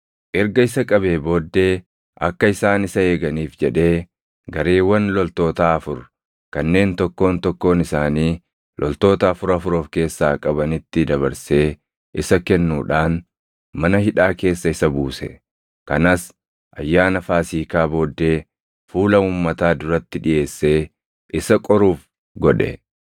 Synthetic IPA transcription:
ʔɛɾɡɐɪsɐkʼɐbe̞ːbo̞ːd̪ːe̞ː | ʔɐ̰kːɐɪsaːnɪsɐe̞ːɡɐniːfd͡ʒɛᶑe̞ː | ɡɐɾe̞ːwːɐnlɔlt̪o̞ːt̪aːɐfʊɾ | kɐnːe̞ːnt̪ɔkːo̞ːnt̪ɔkːo̞ːnɪsaːniː | lʔɔlt̪o̞ːt̪ɐːfʊɾɐfʊɾo̞ːfke̞ːsːaːkʼɐbɐnɪt̪ːɪd̪ɐβɐɾse̞ː | ʔɪsɐkɛnːuːᶑaːn | mɐnɐhɪᶑaːke̞ːsːɐɪsɐbuːsɛ̰ | kɐnaːs | ʔɐjːaːnɐfaːsiːkaːbo̞ːd̪ːe̞ː | fuːlɐuːmːɐt̪aːd̪ʊɾɐt̪ːɪᶑɪʔe̞ːsːe̞ː | ʔɪsɐkʼɔɾuːf | ɡɔᶑɛ̰

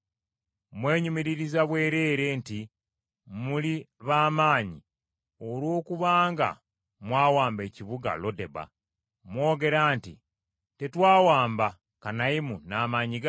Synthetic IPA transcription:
mwe̞ːɲumiɾiɾizaβwe̞ːɾe̞ːɾe̞nti | muliβaːmaːɲi | olwo̞ːkuβaːŋɡa̰ | mwaːwaːmbe̞ːciβuɡa̰lo̞de̞ba̰ | mwo̞ːɡe̞ɾaːntḭ | te̞twaːwaːmba | kanaimunaːmaɲiɡ

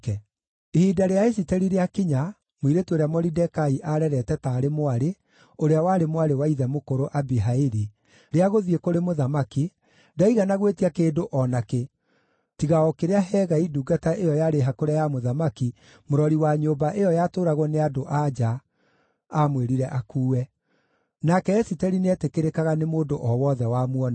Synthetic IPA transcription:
kɛ | ehiːdaɾeaesitɛɾiɾeakiɲa | mwiɾetoɾeamɔɾidɛkaiʔaɾɛɾɛtɛtaːɾemoaɾe | oɾeawaːɾemoaɾewaiðɛmokoɾoʔabiɦaiɾi | ɾeaɣoðiekoɾemoðamaki | daiɣanaɣwetiakeːdoʔɔnake | tiɣaɔkeɾeaɦɛɣaiduɡataʔejɔjaɾeɦakoɾajamoðamaki | moɾɔɾiwaɲoːbaʔejɔjatoːɾaɣɔneadoʔad͡ʒaː | mweɾiɾɛʔakuːwɛ | nakɛɛsitɛɾineɛtekeɾekaɣanemoːdoʔɔwɔðɛwamwɔna

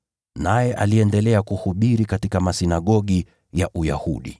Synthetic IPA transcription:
najɛʔaliɛndɛlɛakuhuɓiɾikatikamasinaɠɔɠi | jaʔuja̰huɗḭ

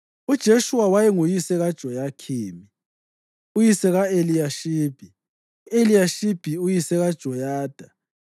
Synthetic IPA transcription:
ud̥ʒ̥ʱeʃuwawajɛŋujisɛɣad̥ʒ̥ʱɔjakʰiːmi | ujisɛɣaelijaʃiːb̥ʱi | uelijaʃib̥ʱiujisɛɣad̥ʒ̥ʱɔjaːd̥ʱa

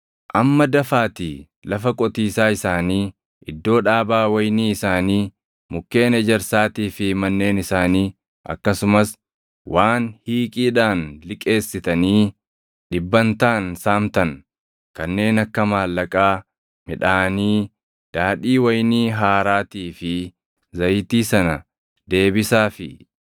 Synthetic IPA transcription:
ʔɐmːɐd̪ɐfaːt̪iː | lɐfɐkʼɔt̪iːsaːɪsaːniː | ʔɪd̪ːo̞ːᶑaːbaːwɐjniːɪsaːniː | mʊkːe̞ːnɛd͡ʒɛɾsaːt̪iːfɪmɐnːe̞ːnɪsaːniː | ʔɐ̰kːɐsʊmɐs | wʔaːnhiːkʼiːᶑaːnlɪkʼe̞ːsːɪt̪ɐniː | ᶑɪbːɐnt̪aːnsaːmt̪ɐn | kɐnːe̞ːnɐkːɐmaːlːɐkʼaː | mɪᶑaːniː | d̪̥aːᶑiːwɐjniːɦaːɾaːt̪iːfɪ | zɐjt̪iːsɐnɐ | d̪e̞ːbɪsaːfɪ

